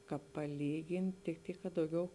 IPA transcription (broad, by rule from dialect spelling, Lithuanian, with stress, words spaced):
ˈkɑːp pɐˈlʲiːɡʲɪnʲɪ tʲɪk ˈtʲiːk kɐ dɐʊˈɡʲɛʊ